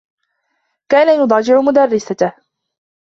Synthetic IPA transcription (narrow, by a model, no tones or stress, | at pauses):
kaːnajʊd̪ˤɑd͡ʒɪʕʊmʊd̪ɑrˤːɪsat̪ah